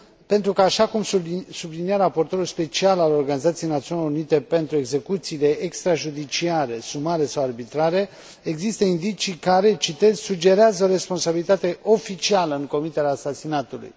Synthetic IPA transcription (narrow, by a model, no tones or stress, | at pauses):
pe̞nt̪ɾukəaʃakumssubliniaɾapo̞rt̪o̞ɾulspe̞t͡ʃialalo̞rɡanizat̪sijejnat̪siuoneloɾunit̪e̞pe̞nt̪ɾueɡze̞kut̪siːle̞ʔekst̪ɾaʒud̪it͡ʃiaɾe̞sumaɾe̞sawarbit̪ɾaɾe̞ | eɡzist̪əind̪it͡ʃikaɾe̞t͡ʃit̪e̞zʲsud͡ʒe̞ɾeazəoɾe̞spo̞nsabilit̪at̪e̞ʔo̞fit͡ʃialəɨŋko̞mit̪eaːsasinat̪ulṵj